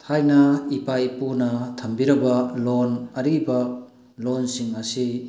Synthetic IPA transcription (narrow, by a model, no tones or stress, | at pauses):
t̪ʰajnɐipajpunɐtʰɐmbiɾɐbɐlonɐɾibɐ | lonsiŋɐsi